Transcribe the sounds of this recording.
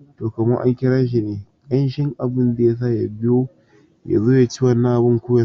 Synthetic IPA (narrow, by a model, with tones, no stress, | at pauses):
toː˨kɐ˨mɐ˦ŋʔa̰˦ŋkʲɪ˦ɽa˦ʃ̬i˨neː˨kʼɐ˦nʃɪ˦ŋʔa˨bɪ˦nda˨ja˦s̬a˦˨ja˨bɪ˦joː˦ | ja̰˨zoː˦ja˨t͡ʃɪ˦wɐ˨nːaː˦ʔbʊ˦ŋkʷoː˦ja˦